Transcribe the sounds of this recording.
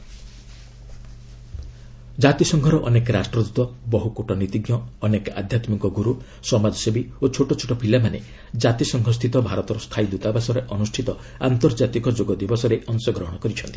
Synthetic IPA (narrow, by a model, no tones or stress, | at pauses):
d͡ʒat̪isɔŋɡʱɔɾɔʔɔnekɾasʈɾɔd̪ut̪ɔbɔɦukoʈɔnit̪iɡjɔːneka̰d̪ʱjat̪mikɔɡuɾu | sɔmad͡ʒɔsebiot͡ʃʰoʈɔt͡ʃʰoʈɔpʰilamanḛ | d͡ʒat̪isɔŋɡʱɔs̬t̪ʰit̪ɔbʱaɾɔt̪ɔɾɔst̪ʰajd̪ut̪abasɔɾeʔɔnusʈʰit̪ɔ | a̰nt̪ɔɾd͡ʒat̪ikɔd͡ʒoɡɔd̪ibɔsɔɾeʔɔŋsɔɡɾɔɦɔɽ̃ɔkɔɾit͡ʃʰɔnt̪i